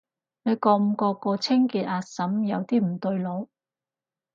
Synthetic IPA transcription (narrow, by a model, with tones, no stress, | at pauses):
ne˨˧kɔː˧m̩˧kɔː˧kɔː˧t͡sʰɪ˥ŋkiː˧t̪̚aː˧sɐ˨˥mjɐ˨˧wt̪iː˥m̩˨˩t̪ɵ˧ɥlo˨˧˥w